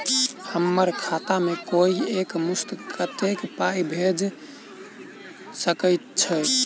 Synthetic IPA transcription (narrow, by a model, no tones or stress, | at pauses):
həmːəɾkʰat̪amekoiekmust̪kʰət̪ekpajbʱed͡ʒ | səkəjt̪̚t͡ʃʰə